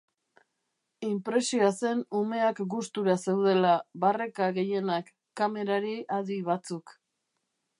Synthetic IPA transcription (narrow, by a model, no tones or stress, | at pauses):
impɾe̞siase̞nume̞akɡust̪uɾase̞wð̞e̞laβare̞kaɣe̞je̞nakː | ame̞ɾaɾiʔaðiβat͡suk